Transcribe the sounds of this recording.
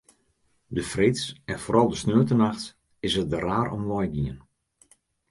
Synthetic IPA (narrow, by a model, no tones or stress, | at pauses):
dəfrɪsɛnfoːɾʔɑlˠdəsnøːtənaxt | ɪsət̚dəraːɾɔ̰mʋɔjɡiən